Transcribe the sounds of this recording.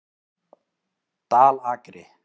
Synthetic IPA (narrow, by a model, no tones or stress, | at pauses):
t̪aːlaːkɾe